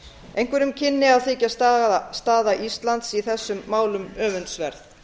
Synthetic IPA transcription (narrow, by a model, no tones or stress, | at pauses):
ejŋ̥kvɛɾʏmcʰɪnːɪawθɪːcast̪ast̪aːðaʔist̪lant̪siθɛsːʏmːaːwlʏmœːvʏnt̪svɛɾθ